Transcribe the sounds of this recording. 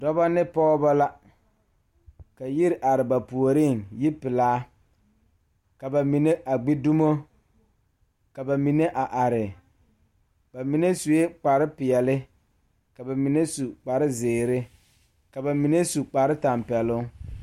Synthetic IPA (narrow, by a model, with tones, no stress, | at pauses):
dɔ˦ba˦nɪ˦pɔː˦ba˦la˦ | ka˨ji˦ɾɪ˦ʔa˨ɾɪ˨ba˨pu˨o˨ɾi˦˨ŋji˦pɪ˨laː˦ | ka˨ba˨mi˨ne˦ʔa˨ɡ͡bi˦du˦mo˦ | ka˨ba˨mi˨ne˦ʔa˨ʔa˨ɾɪ˨ | ba˨mi˨ne˦su˨je˦k͡pa˨ɾɪ˦pɪ˨ɛ˨lɪ˦ | ka˨ba˨mi˨ne˦su˨k͡pa˨ɾɪ˦zɪː˨ɾɪ˦ | ka˨ba˨mi˨ne˦su˨k͡pa˨ɾɪ˦ta˨mpɛ˨lʊ˦